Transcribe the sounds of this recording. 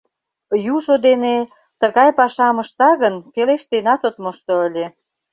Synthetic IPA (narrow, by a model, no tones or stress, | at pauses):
juʒod̪ene | t̪əɣɑjpɑʃɑməʃt̪ɑɣənpeleʃt̪enɑt̪ot̪moʃt̪oəlʲe